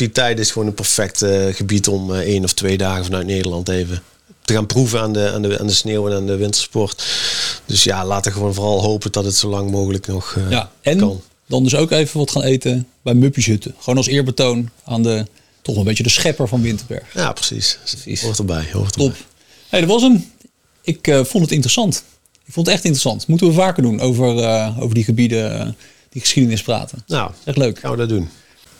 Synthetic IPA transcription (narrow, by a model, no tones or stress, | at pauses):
d̥itɛjtɪsxʋoːnənpɛɹfɛk̚təɣəbitɔmejnɔftʋejdaːɣəvɑnœɥtnejdəɹlɑntejvə | təɣaːnpruvəaːndəa̰ːndəa̰ːndəsneːwɛnaːndəʋɪntəɹspɔrtd̥ɵsjalaːtəɣəʋonvʊːrɑlˠɦowpədɑtətsowlɑŋmoːɣələknɔxaɛnkɑn | dɑndɵsowkejvəʋɑtχaːnejtəbɛjmɵpisɦɵtəχʋoːnɑlˠsɪːɹbətownaːndə | tɔχlˠəmbejt͡ʃədəsχɛpəɹvɑnʋɪntəɹbɛ̰ɹχja̰ːprə̥sḭsəsḭsotəɹbɛ̰jho̰ttop | hejdɑtʋɑsəm | ɪkəfontətɪntrəsɑnt | ɪkfondətɛχtɪntrəsɑntmutəʋəvaːkəɹdunʔowvəɹəo̰wvəɹdiχəbidə̰ | d̥iχə̥sχidənɪspra̰ːtənnaɛχtløɥka̰nʋədəddun